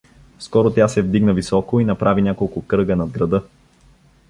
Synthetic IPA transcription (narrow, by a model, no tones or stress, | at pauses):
skɔɾot̪ʲjasɛvd̪iɡnəvisɔkoinɐpɾʔavinʲakolˠkʊkɾɤɡənɐd̪̚ɡɾɐd̪ɤ